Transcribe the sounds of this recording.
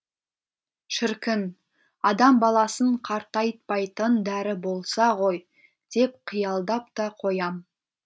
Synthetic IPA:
ʃɪɾkʲɪn | ɑd̪ɑmbɑlˠɑsəɴqʰɑɾt̪ɑjt̪̚pɑjt̪ənd̪æɾɪbo̞lˠsɑʁo̞j | d̪̥e̞p̚qʰijɑlˠd̪ɑp̚t̪ɑqʰo̞jɑm

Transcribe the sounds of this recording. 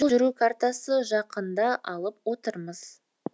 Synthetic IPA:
ʒʏɾukʰart̪asəʒɑqənd̪ɑʔɑlˠəp̚wo̞t̪əɾməz̥

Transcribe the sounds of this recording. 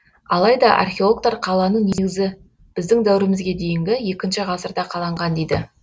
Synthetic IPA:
ɑlˠɑjd̪ɑʔɑ̰rxʲeo̞lˠok̚t̪ɑɾqʰɑlˠɑnəne̞ɡʲɪzɪ | b̥ɪzd̪ɪŋd̪æwɪɾɪmɪzɡʲe̞d̪e̞jɪŋɡʲɪje̞kʲɪnʃɪʁɑsəɾd̪ɑqʰɑlˠɑɴʁɑnd̪ejd̪ɪ

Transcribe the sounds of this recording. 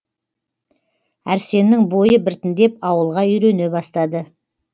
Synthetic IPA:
æɾse̞nːɪŋbo̞jəbɪɾt̪ɪnd̪e̞pɑwəlˠʁɑʏjɾe̞ne̞bɑst̪ɑd̪ə

